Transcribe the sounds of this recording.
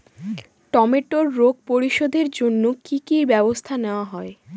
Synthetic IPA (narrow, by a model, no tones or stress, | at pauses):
ʈɔmeʈoɾːoɡ̚poɾiʃod̪ʱeɾd͡ʑonːokikibɛbost̪ʰaneoaɦɔe